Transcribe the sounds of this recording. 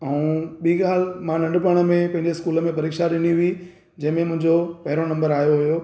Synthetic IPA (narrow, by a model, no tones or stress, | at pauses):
ɛũːɓiːɠaːl̤mãnɐ̃ɳɖpəɽ̃ə̆mẽpɐ̃ɦɪ̃ɲd͡ʑeɪskuːləmẽpɐɾiːkʃaɗɪniɦʊi | d͡ʑɐ̃ɦɪ̃mẽmʊ̃ɦɪ̃ɲd͡ʑopɐɦɪɾonɐ̃mbəɾaːjoɦʊjoː